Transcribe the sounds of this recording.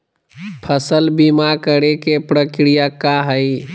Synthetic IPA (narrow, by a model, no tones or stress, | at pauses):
pʰəsəlbimakəɾekepɾəkɾijakaɦəj